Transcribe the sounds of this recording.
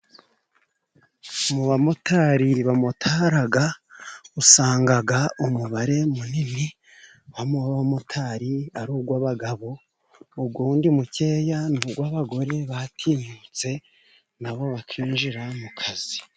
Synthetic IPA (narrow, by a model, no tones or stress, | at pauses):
muβamotʰaːɾiβamutʰaːɾaɡausaːŋɡaɡaumuβaɾe̞munini | βamuβamotʰaːɾiaɾuːɡwaβaɡaβo̞ː | b̚ɡwuːndimuce̞ːjanuːɡwaβaɡo̞ɾe̞βatʰiːɲut͡se̞ | naβo̞βatʰiːnʒiɾamukʰazi